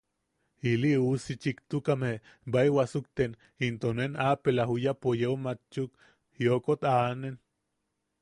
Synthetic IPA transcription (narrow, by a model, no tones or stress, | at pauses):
iliusit͡ʃikt̪ukame | baewasuk̚t̪en | int̪onenapelaɦujapojeomat͡ʃuk | jokot̪anen